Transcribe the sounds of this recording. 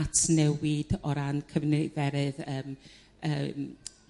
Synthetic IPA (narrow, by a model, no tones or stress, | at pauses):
atʰnɛwɪdɔɾankʰəvnejvɛɾɨðəːm | əm